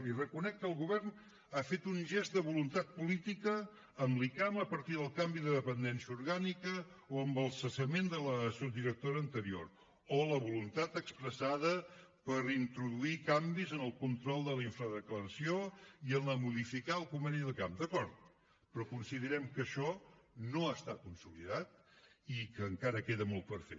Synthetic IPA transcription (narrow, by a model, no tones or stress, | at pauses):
irəkunɛk̚tːəlˠɣuβɛrn | afet̪unʒɛzt̪̚d̪əβulunt̪at̪̚pulit̪ikəː | mlikaməpəɾt̪iðəlˠkambiðəðəpənd̪ɛnsiəuɾɣanikə | oəmbəlˠsəsəmend̪ələsud̪iɾək̚t̪oɾəːnt̪əɾio̰ɾ | oləβulunt̪at̪əkspɾəsaðəpəɾint̪ɾuðuikambizənəlˠkunt̪ɾɔlˠd̪əliɱfɾəðəkləɾəsioiənləmuðifikaəlˠkumɛniðəkamd̪əkɔɾt̪̚ | pɾɔkunsiðəɾɛmkəʃɔnoast̪at̪̚kunsuliðat̪̚ikəːŋkaɾəkeðəmɔlˠt̪̚pəɾfe